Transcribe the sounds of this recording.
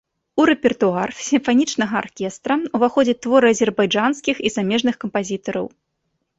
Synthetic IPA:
uɾɛpʲɛrt̪uarsʲimfanʲit͡ʂnɐɣɐa̰rkʲɛst̪ɾɐuvaxɔd͡zʲɛt̪ːvɔɾɨɐzʲɛrbajd͡ʐanskʲixizamʲɛʐnɨxkɐmpazʲit̪ɐɾɐ̰w

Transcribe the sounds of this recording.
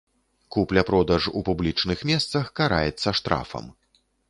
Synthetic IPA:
kuplʲɐpɾɔd̪ɐʐṵpublʲit͡ʂnɨxmʲɛst̪sɐxkaɾa̰jɛt̪sːɐʂt̪ɾa̰fɐ̰m

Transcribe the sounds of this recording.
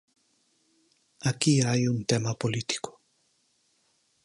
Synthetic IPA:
akiajunt̪emapolit̪i̥ko̥

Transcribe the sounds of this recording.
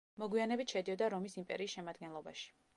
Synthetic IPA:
mɔɡwianɛbit̪ʰʃɛd̪iɔd̪aɾɔmisimpʼɛ̰ɾiːsʃɛmad̪ɡɛnlˠɔba̰ʃi̥

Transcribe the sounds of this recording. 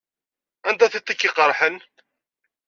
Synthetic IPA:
ænd̪æθət̪ːikːiqəɾˤħən

